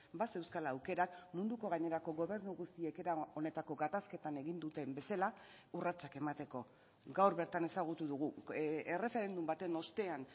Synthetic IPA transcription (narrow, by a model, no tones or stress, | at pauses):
base̞wskalaːwke̞ɾakmund̪uko̞ɣaɲe̞ɾako̞ɣo̞βe̞ɾnuɣust̪ieke̞ɾao̞ne̞t̪ako̞ɡat̪aske̞t̪ane̞ɣind̪ut̪e̞mbe̞sala | urat͡sake̞mat̪e̞ko̞ | ɡawɾβe̞ɾt̪ane̞saɣ̞ut̪uðuɣ̞uere̞fe̞ɾe̞nd̪umbat̪e̞no̞st̪e̞an